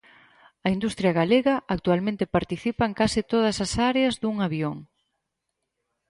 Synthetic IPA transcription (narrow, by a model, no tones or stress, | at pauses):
ɐind̪ust̪ɾjɐɣaleɣɐʔak̚t̪ualmẽnt̪ɪpaɾt̪iθipɐŋkasit̪oð̞ɐsɐsaɾeɐzðuŋaβjoŋ